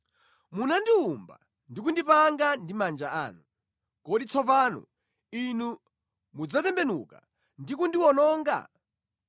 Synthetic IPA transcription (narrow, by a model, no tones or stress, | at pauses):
munandiumba̰ | ndik̬undipaŋɡandimand͡ʒaa̰ːnu | kɔɗit͡sʰɔpaːnṵ | inu | mud͡zatɛmbɛnṵka̰ | ndikundiwɔnɔːŋɡa̰